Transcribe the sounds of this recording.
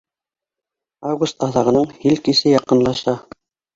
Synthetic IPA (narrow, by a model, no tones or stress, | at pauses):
avɡust̪ɑðɑʁɤ̆nɤɴhilkisɘjɑqɤ̆nlˠɑʃɑ